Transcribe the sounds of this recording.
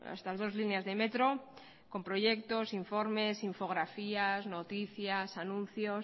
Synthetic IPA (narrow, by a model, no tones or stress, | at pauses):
a̰st̪azð̞o̞zlinazðe̞met̪ɾo̞ | ko̞mpɾojʝek̚t̪o̞siɱfo̞ɾme̞siɱfo̞ɣ̞ɾafiazno̞t̪iθjasanũn̟θjos